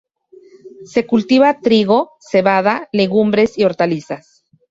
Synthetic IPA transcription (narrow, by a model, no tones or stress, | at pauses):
se̞kult̪iβat̪ɾiɣo̞ | se̞βaðale̞ɣumbɾe̞sioɾt̪alisas